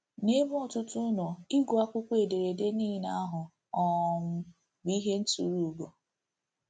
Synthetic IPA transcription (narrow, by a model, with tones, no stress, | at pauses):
ne˦bɔ˨tʊ˦tʊ˦nɔ˨i˦ɡu˨a˦kʷʊ˦kʷe˨de˨ɾe˨de˦niː˦na˦ɦʊ˨ | ɔ˨m̩˦ | bi˦ɦe˦n̩˦tu˨ɾu˨ɡo˨